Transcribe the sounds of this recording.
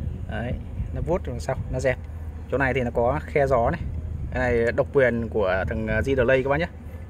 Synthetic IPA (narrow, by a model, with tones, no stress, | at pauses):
ʔəː˨˧˦j | nɔ˨˦vu˦˥t̚ːsa˧wnɔ˨˦zɛ˨˩p̚t͡ɕʊ˦˥wna˨˩jt̪ʰi˨˩nɔ˨˦kɔ˨˦xɛ˧zɔ˨˦nɛ˨˩˧na˨˩jɗə˨˩wk͡p̚kwi˨˩ənku˧˩ət̪ʰə˨˩ŋː˨˩zi˧ɗəː˨˩lə˧jkːɓa˧˨ɲə˧˦